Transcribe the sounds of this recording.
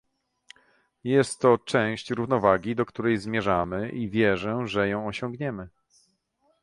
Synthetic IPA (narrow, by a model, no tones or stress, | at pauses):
jɛst̪ːɔt͡ʂɛ̃w̃ɕt͡ɕɾuvn̪ɔvaɡʲid̪ɔkt̪uɾɛjzmʲjɛʐamɘʔivʲjɛʐɛʐɛjɔ̃w̃ɔɕɔ̃ŋɡɲɛmɘ